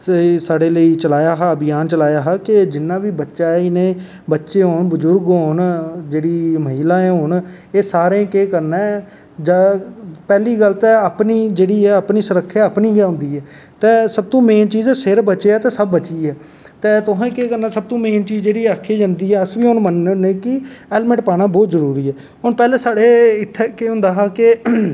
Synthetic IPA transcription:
saːɖeːləiːt͡ʃəlaːjaːɦaəbɪjaːnt͡ʃəlaːjaːɦaːkɪd͡ʒɪnːãːʋiːbətːʃaːɛːɪnẽː | bətːʃeːɦoːnbəzʊɾɡoːnd͡ʒeːɽiːməɦiːlãːɛ̃ːɦoːn | eːsaːɾẽːkeːkəɾnɛː | d͡ʒaːpɛːliːɡəlt̪ɛːapniːd͡ʒeːɽiːɛːəpniːsʊɾəkʰːjaːəpniːɡjaːɦʊ̃nd̪iːɛː | t̪eːsəb̚t̪õːmẽːnt͡ʃiːzsɪɾbət͡ʃeːaːt̪ẽːsəbːət͡ʃiːɛː | t̪eːt̪ʊɦãːkeːkəɾnaːsəb̚t̪õːmẽːnt͡ʃiːzd͡ʒeːɽiːaːkʰːiːd͡ʒãːnd̪iːɦɛːəsʋiːʊnmənːneːkɪɛːlmɛ̃ɳʈpaːɽ̃ãːbɔːt̪zəɾuːɾiːɦɛː | ɦʊnpɛːlẽːsaːɽeːɪʈ̪ʰːɛːkeːʊ̃nd̪aːɦaːkɪ

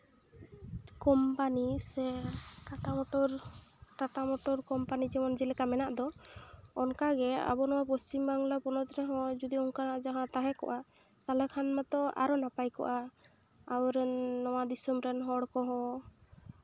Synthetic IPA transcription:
kɔmpanisɛʈaʈamɔʈɔɾʈaʈamɔʈɔɾkɔmpanid͡ʒɛmɔnd͡ʒilɛkamɛnaʔd̪ɔː | nkaɡɛa̰bɔnɔwapɔst͡ʃimbaŋlapɔnɔt̪ɾɛɦɔ̃d͡ʒud̪iɔnkanaʔd͡ʒaɦãt̪aɦɛkɔ̰ʔa | t̪alɛkʰanmat̪ɔa̰ɾɔnapajkɔ̰ʔaː | wɾɛnːɔwad̪isumɾɛnɦɔɽkɔɦɔ̃

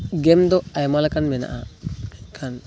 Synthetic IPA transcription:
ɡɛmd̪ɔajmalakanmɛna̰ʔa | kʰan

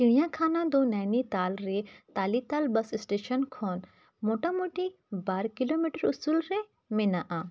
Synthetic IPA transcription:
kiɽijãkʰaːnad̪onajnit̪aːlɾet̪aːlit̪aːlbɐsɪsʈeːʃənkʰɔːn | moʈamoʈi | baːɾkilomiʈəɾʊsuːlɾe | mɪnaʔa

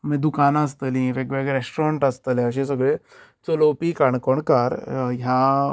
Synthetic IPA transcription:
mĩd̪ukanas̬t̪əlĩʋeɡʋeɡɾesʈɾaɳʈəst̪əleəɕẽs̬əɡɭe | t͡solopikaɳ̃kɔɳkaɾɦja

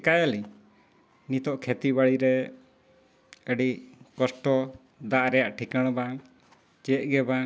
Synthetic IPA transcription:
kajali | nit̪ɔʔkʰɛt̪ibaɽiɾɛ | əɖikɔsʈɔ | d̪aʔɾɛjaʔʈʰikəɽ̃ba | t͡ʃɛt̪̚ˀɡɛba

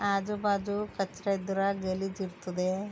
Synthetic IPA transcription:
aːd͡ʒubaːd͡ʒukɐt͡ʃːɾɐd̪uɾɐɡelid͡ʒiɾt̪ud̪e

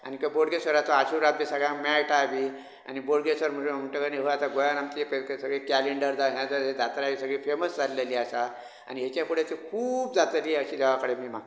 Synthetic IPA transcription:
a̰nikəboɽɡesəɾat͡sɔaɕuɾat̪̚ːisəɡɭãmajʈaʋiː | a̰niboɽɡesəɾm̤əʈm̤əʈəkəneɦoat̪aɡojanamt̪ipksəɡɭikæleɳɖəɾd͡zaɦãd͡zəed͡zat̪ɾaʋisəɡɭiːfeməsd͡zalːeliːasa | a̰niɦet͡ɕapuɽet͡sekʰuːb̚d͡zat͡s̪aliːəɕiːd̪ʱeʋakəɽemiːm̤a

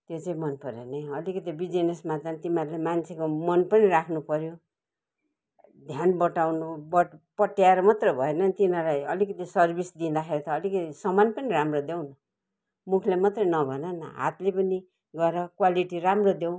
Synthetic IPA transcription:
t̪jot͡sʌĩmʌnpʌɾjḛnʌjʌlikʌt̪ibid͡zinesmat̪ant̪imaɾlemant͡sʰekomʌnpʌniɾakʰnupʌɾjo | d̪ʱjanbʌʈawnubʌpʌʈjaeɾʌmʌt̪rʌbʱʌenʌnt̪inʌlajʌlikʌt̪isʌrbisd̪ind̪axeɾit̪ʌːlikʌt̪isʌmanpʌniɾamrod̪ew̃nʌ | mukʰlemat̪rʌnʌbʱʌnʌnʌ̰ɦa̰t̪lepʌni | ɡʌeɾʌkwaliʈiramrod̪jew̃

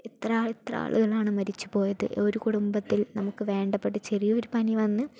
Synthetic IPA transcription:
it̪raːit̪rɐ̰a̰ːɭuɣɐɭaːɳɨmɐɾit͡ɕːu̥po̞ːjɐðɨ̰ʔo̞ɾukuɽumbɐt̪ːilnɐmukːɨʋe̞ːɳɖɐpːeʈːɨt͡ɕerijuoɾupɐniʋɐnːɨ

